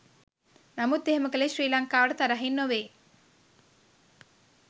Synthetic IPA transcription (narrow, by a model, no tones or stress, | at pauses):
nɐmud̪ːeɦemɐkɐleʃɾiːlaŋkaːʋəɽɐt̪ɐɾaɦinːoʋeː